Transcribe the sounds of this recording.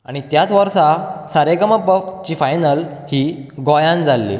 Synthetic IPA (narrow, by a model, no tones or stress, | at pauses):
aɽ̃it̪jat͡s̪ʋəɾsasaɾeɡəməpət͡ɕiːfajnəlhiːɡɔjãnd͡zʱalːḭ